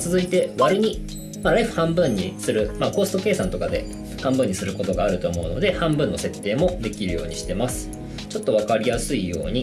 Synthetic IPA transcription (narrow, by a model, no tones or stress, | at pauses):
t͡sɨzɨit̪e̞βaɾɯ̟ɲ̟i | maɾaiɸɯ̟̥hãmbɯ̟̃ɲ̟ːisɨɾɯ̟maːko̞ːsɨ̥t̪o̞ke̞ːsãnt̪o̞kad̪e̞̰ | hãmbɯ̟̃ɲ̟ːisɨɾɯ̟ko̞t̪o̞ɡaːɾɯ̟t̪o̞ːmo̞ɯ̟no̞̰d̪e̞hãmbɯ̟nːo̞se̞t̪ːe̞ːmo̞d̪e̞kʲiɾɯ̟jo̞̰ːɲ̟iɕi̥t̪e̞masɨ̥ | t͡ɕo̞t̪ːo̞β̞akaɾʲijasɨijo̞̰ːɲ̟i